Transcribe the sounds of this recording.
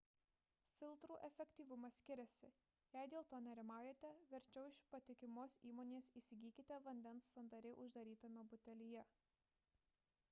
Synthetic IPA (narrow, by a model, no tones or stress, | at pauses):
fʲɪlʲˠt̪ɾuːʔɛfʲɛkʲt̪ʲiːʋʊmɐsʲkʲɪɾʲɛsʲɪ | jæɪd̪ʲeːlˠt̪oːnʲɛɾʲɪmɑˑʊjɛt̪ʲɛʋʲɛɾʲt͡ʃʲɛʊɪʃpɐt̪ʲɪkʲɪmoːsiːmoːnʲeːsiːsʲɪɡʲiːkʲɪt̪ʲɛʋɐnʲd̪ʲɛnsːɐnd̪ɐɾʲɛɪʔʊʒd̪ɐɾʲiːt̪ɐmʲɛbʊt̪ʲɛlʲɪjɛ